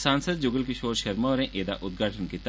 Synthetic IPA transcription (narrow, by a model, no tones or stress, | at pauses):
sãːnsəd̪̚d͡ʒʊɡəlkiʃoːɾʃɐɾmɔːɾẽʔeːd̪a̰ʔʊd̪̚ɡʱaːʈʰənkit̪